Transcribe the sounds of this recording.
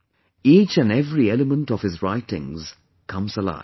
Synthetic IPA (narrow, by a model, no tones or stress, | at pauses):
iːt͡ʃɨ̃nɛvɹiɛləmə̃ntəv̥ɨzɹaɪtɪ̰̃ŋz̥ | kʰʌ̃mzəla̰ɪ